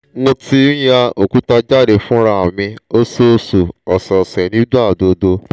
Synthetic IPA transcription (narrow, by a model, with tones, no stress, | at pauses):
mõ˧tĩ˧˦ja˧o˨ku˨˦ta˧d͡ʒa˦˨ɾe˨fũ˦ɾa˧˨a˨mĩ˧o˦so˦˧su˨ɔ˨sɔ˨sɛ˨nĩ˦da˦˨do˧do˧